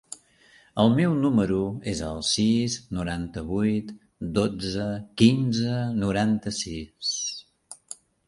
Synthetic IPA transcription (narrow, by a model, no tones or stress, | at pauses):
əlˠmɛwnuməɾuezəlˠsiznuɾant̪əβujt̪ | d̪od͡zəkinzənuɾant̪əsis